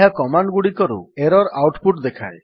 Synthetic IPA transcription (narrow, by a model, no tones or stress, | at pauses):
ɦakɔmaɳɖɡuɽikɔɾṵeɾɔɾawʈpuʈd̪ekʰa̰e